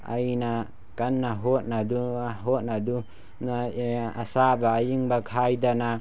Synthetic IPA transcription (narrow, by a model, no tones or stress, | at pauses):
a̰jna | kanːaɦot̚nad̪uɦot̚nad̪u | naa̰sabaːjiŋbakʰajdana